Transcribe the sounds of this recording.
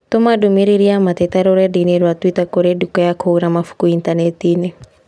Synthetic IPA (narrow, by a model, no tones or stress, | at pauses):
t̪omadumiɾiɾiamat̪ɛt̪aɾoɾɛdineɾwat̪wit̪akoɾedukɔjakʰoɾamafu̥kuint̪anɛt̪ine